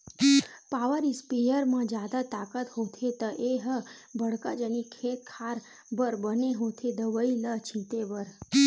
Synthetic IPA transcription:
paʋəɾispijəɾmãd͡ʒad̪at̪akət̪ɦot̪ʰet̪əʔeɦəbəɽkəd͡ʒənikʰet̪kʰaɾ | bəɾbəneɦõt̪ʰed̪əʋəilət͡ʃʰĩt̪ebəɾ

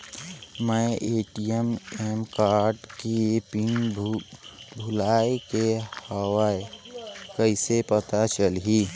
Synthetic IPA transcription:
mə̃ʔeːʈijememkaːɾɖkipiŋ | bʱʊlaːekehəwaekəɪsepət̪at͡ʃəlɦi

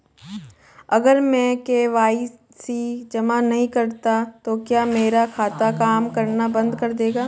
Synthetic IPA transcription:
ɐɡəɾmɛ̃keʋaːi | sid͡ʒɐmanɐɦĩkɐɾt̪at̪okjaːmeːɾakʰaːt̪akaːmkɐɾnabɐ̃nd̪kɐɾd̪eːɡaː

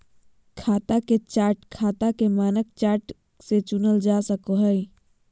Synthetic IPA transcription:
kʰaːt̪aket͡ʃaːɾʈkʰaːt̪akemaːnək̚t͡ʃaːɾʈ | set͡ʃʊnəld͡ʒasəkoɦəj

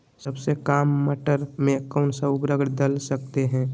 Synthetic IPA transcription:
səbsekaːmːəʈəɾmẽkɔːnsəbɾəɡɽd̪əlsəkt̪eɦɛ̃ː

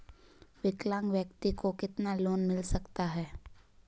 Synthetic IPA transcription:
ʋɪklãːŋɡʋjəkt̪ikokɪt̪naloːnmɪlsɐkt̪aɦɛː

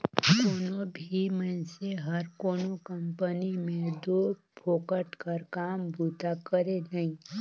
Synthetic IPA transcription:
koːnõbʱimɛ̃seɦəɾkoːnokəmpənimẽd̪o | pʰoːkəʈkəɾkaːmbuːt̪akəɾenəɦĩ

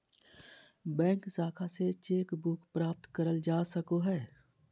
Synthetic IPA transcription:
bɛ̃ːŋksaːkʰaset͡ʃeːkbʊkpɾaːp̚t̪kəɾəld͡ʒaːsəkoɦɛː

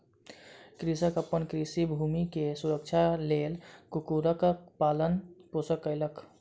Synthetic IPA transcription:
kɾisəkəpːənkɾisibʱumikesuɾək̚t͡ʃʰalelkukuɾəkkpalənposəkːəɪlək

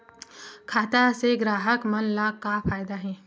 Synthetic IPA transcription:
kʰaːt̪aseɡɾaːɦəkmɐnlaːɡkːapʰaːjd̪aɦɛ̃ː

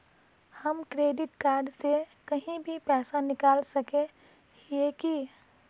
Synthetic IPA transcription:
hɐmkɾeːɖɪʈkaːɾɖsekɐɦĩbʱipɛːsanɪkaːlsɐkẽ | eki

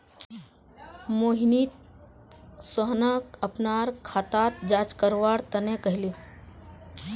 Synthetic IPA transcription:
moːɦniːt̪̚ | səɦnakəpnaːɾkʰaːt̪aːt̪̚d͡ʒaːt͡ʃkəɾʋaːɾt̪ənẽkəɦɪle

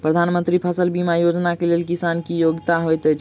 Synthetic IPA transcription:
pɾəd̪ʱanmənt̪ɾipʰəsəlbimajod͡ʒnakelelkisankijoɡt̪aɦojt̪ət͡ʃʰ

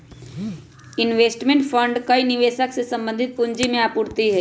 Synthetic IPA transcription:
ɪnʋeːsʈmẽɳʈpʰəɳɖkainɪʋeːsəksesə̃mbə̃nd̪ʱɪt̪̚pʊɲd͡ʒimẽaːpʊɽt̪iɦɛ

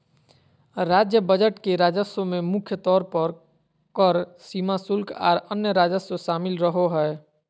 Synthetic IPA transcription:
ɾaːd͡ʒjəbəd͡ʒəʈkeɾaːd͡ʒəsõmẽmʊkʰjət̪ɔːɾpəɾ | kəɾsiːmasʊlkʰa̰ːɾənjəɾaːd͡ʒəsoʃaːmɪlɾəɦoɦɛː

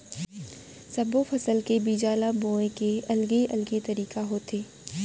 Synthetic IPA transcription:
sɐbofʰɐsəlkebiːd͡ʒaːlabõːẽkeɐlɡeʔɐ̰lɡet̪ɐɾiːkaɦoːt̪ʰeː

